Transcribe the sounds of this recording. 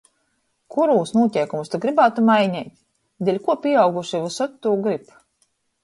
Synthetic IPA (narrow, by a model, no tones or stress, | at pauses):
kuɾuːsnuɔtʲɛjkumust̪uɡɾibaːt̪umajɲʲɛjt̪ | d̪ʲelʲkuɔpʲiɛawɡuʃivusɔt̪ːuːɡɾip